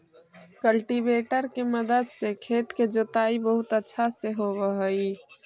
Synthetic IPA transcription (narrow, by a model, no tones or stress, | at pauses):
kəlʈibeːʈəɾkeməd̪əd̪sekʰeːt̪ked͡ʒot̪aːibəɦʊt̪ətːʃʰaseɦoɾəɦəi